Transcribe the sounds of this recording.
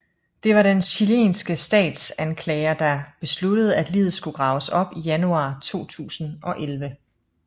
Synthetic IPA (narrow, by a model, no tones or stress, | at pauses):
d̥e̝ʋɑ̈d̥enɕilḛːnsɡ̥əsd̥ɛ̰ːd̥sænkʰlɛːɪɐd̥ɑ̈b̥e̝slud̥əð̞̩ˠæd̥liːð̩ˠsɡ̥uɡ̥ʁɑ̈ʊsɒ̽b̥ijænuɑ̰̈ːt͡sʰo̝̰ːt͡sʰṵːsn̩ʔɒ̽ʔelʋə